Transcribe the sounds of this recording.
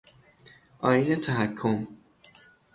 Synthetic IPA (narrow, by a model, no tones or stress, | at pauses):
ʔɒːɾiːnet̪ʰæɦækʰːom